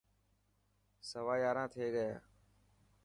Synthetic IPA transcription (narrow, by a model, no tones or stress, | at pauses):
səʋaːjaːɾãːt̪ʰeːɠəja̰ː